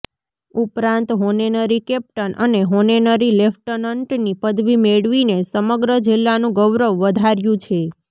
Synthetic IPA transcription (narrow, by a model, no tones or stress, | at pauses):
upɾãnt̪ɦonenəɾikɛp̚ʈənʔəneɦonenəɾilefʈənəɳʈnipəd̪ʱʋimeɭʋinesəməɡɾəd͡ʒɪlːanũɡəʋɾəʋːəd̪ʱaɾjũt͡ʃʰe